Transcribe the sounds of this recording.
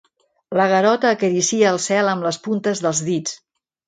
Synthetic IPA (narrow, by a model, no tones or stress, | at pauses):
ləɣ̞əɾɔt̪əːkəɾisiəːlˠsɛləmləspunt̪əzðəlˠzðit͡s